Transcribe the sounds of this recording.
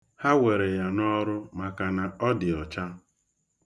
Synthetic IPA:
ha˦we˨ɾe˨ja˨nɔ˦ɾʊ˦ma˨ka˨na˨ɔ˦dɪ˨ɔ˨t͡ʃa˦

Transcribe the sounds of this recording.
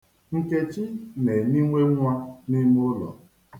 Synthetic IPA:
ŋ̩˨ke˦t͡ʃɪ˦ne˨ni˦ŋʷe˦ŋʷa˦ni˦m˦ʊ˦lɔ̰˨

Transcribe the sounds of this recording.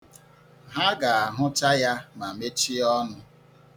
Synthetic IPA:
ɦa˦ɡa˨a˨ɦʊ˦ta˦ja˦ma˨me˦t͡ʃi˦ɔ˦nʊ˦

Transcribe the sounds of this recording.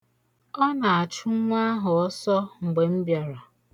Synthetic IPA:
ɔ˦na˨a˨t͡ʃu˦ŋʷa˦ɦʊ˨ɔ˦sɔ˦ŋ͡m̩˨ɡ͡be˨m̩˦bja˨ɾa˨

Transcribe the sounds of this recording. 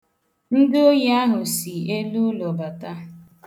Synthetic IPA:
n̩˦dɪ˦o˦ja˦ɦʊ˨si˨e˦lu˦lɔ˨ba˨ta˦

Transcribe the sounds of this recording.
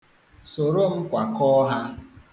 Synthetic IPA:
so˨ɾo˦m̩˦kʷa˨kɔ˦ɦa˦

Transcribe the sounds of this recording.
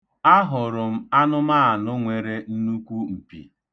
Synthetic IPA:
a˦ɦʊ˨ɾʊ˨m̩˦a˦nʊ˦maː˦a˨nʊ˦ŋʷe˨ɾe˦n̩˦nu˦kʷu˦m̩˨pḭ˨

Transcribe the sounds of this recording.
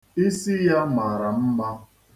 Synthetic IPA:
i˦si˦ja˦ma˨ɾa˨m̩˦ba˦

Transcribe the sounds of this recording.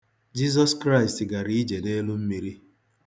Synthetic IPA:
d͡ʒi˦z̬ɔ˦skɾa˦ɪ˨stɡa˨ɾi˦d͡ʒe˨ne˦lʊ˦m̩˦mi˨ɾi˦

